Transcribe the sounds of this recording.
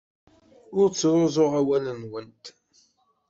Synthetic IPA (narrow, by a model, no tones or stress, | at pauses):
ʊɾt͡sːɾˤozˤʊʁawælənwənt̪